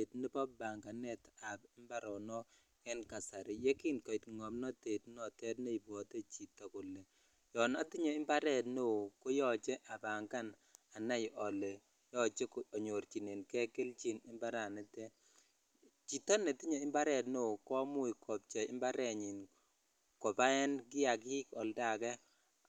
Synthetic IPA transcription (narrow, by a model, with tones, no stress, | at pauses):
te˨tnɪ˦pɔ˦b̚ba˨ŋɡa˨nɛ˦ta˨bɪ˦mba˦ɾɔ˨nɔ˦ | kɛ˦nka˨sa˨ɾɪ˨je˦kɪ˦nkɔ˨ɪ˨tŋɔ˨mnɔ˦te˨tnɔ˦˨tɛ˦tne˦i˨bɔ˨te˦t͡ʃi˨tɔ˨kʊ˨le˨ | jɔ˨na˦ti˦ɲo˨˦ɪ˦mba˦ɾɛ˦˨tno˦˨ko˦jɔ˦t͡ʃe˦ʔa˨ba˨ŋka˦na˨na˦jʔɔ˨le˨ | jɔ˦t͡ʃe˦kɔ˨ɲo˨ɾt͡ʃi˨ne˨nkɛ˦ke˦lt͡ʃi˦nɪ˦mba˦ɾa˨ne˦te˦ | t͡ʃi˨tɔ˦ne˨ti˦ɲo˨i˦mba˦ɾɛ˨tno˦˨kɔ˦mʊ˦i˨kʰɔ˨p̚t͡ʃɛ˨ɪ̰˦mba˦ɾɛ˨ɲi˨n | kɔ˨ba˦ɛ˦nɡɪ˦a˨ki˦kɔ˨lda˨kɛ˦